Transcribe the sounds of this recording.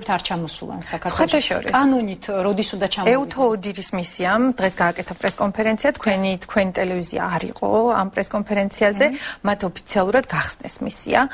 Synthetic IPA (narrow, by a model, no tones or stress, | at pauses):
pt̪ʰaɾt͡ʃʰamɔsṵlˠa̰nsakʰaɾsχwwat̪ʰaʃɔ̰ɾḭksʼanɔnit̪ʰɾɔd̪isund̪at͡ʃʰaɛut̪ʰɔːd̪iɾismisiamd̪̥ʁɛsɡaːkʼɛt̪ʰapʼɾɛskʼɔnpʰɛɾɛnt̪sʰiat̪ʰkʰwɛnit̪ʰkʰwɛnit̪ʼɛlɛvizḭa̰ːɾḭqʼɔ̰ampʼɾɛskʼɔnpʰɛɾɛnt̪sʰiazɛmat̪ʰɔpʰi̥t̪sʰialˠuɾad̪ɡaχsnɛ̰smisḭa